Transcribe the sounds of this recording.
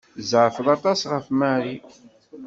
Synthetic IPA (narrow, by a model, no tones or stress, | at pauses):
zʕfəðˤɑt̪ˤɑsʁəfmæɾi